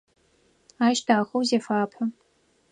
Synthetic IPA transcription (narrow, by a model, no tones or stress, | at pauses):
aːʃdʰaːxɐwzeːfaːpʰɐ